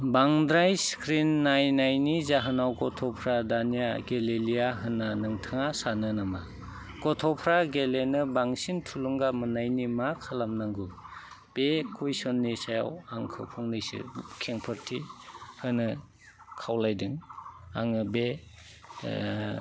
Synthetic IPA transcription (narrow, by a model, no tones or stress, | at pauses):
baŋdɾajskɾinːajnajnizaɦɯnawkɔtʰɔpʰɾadanijaɡelelijaɦɯnːanɯŋtʰɯŋasanɯnama | kɔtʰɔpʰɾaɡelenɯbaŋsintʰuluŋɡamɯnajnimakʰalamnaŋɡu | b̥ekʰujsɔnːisaja̰waŋkʰɯpʰɔŋnɯjsɯ̰kʰeŋpʰɯɾtʰihɯnɯ | kʰawlajdɯŋa̰ŋɯbe